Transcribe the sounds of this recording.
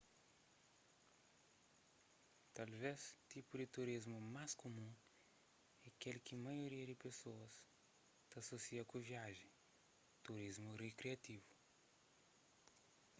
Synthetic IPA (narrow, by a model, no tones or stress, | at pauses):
t̪alvest̪ipʊd̪ɪt̪uɾizmʊmaskomũ | ɛkelkɪmajoɾiɐd̪ɪpesoɐs | t̪ɐsosiɐkoviaʒẽ | t̪uɾizmʊrekɾiat̪ivʊ